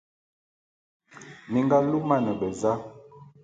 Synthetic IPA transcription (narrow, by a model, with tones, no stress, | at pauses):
mi˨ŋɡa˦lu˦ma˦˨nə˨bə˨za˦